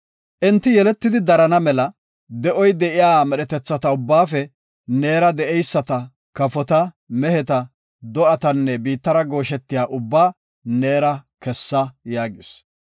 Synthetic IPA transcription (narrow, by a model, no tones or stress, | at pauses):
ʔɪnt̪ːɪjɛlɛt̪ːɪd̪ɪd̪ɐɾɐnɐmɛlɐ | d̪ɛʔɔjd̪ɛʔɪjaːmɛɗɛt̪ɛt͡sːɐt̪ɐʊbːaːfɛ | neːɾɐd̪ɛʔɛjsːɐt̪ɐ | kɐfɔt̪ɐ | mɛhɛt̪ɐ | d̪ɔʔɐt̪ɐnːɛbiːt̪ːɐɾɐɡo̞ːʃɛt̪ːɪjaːʔʊbːaː | neːɾɐkɛsːɐjaːɡɪs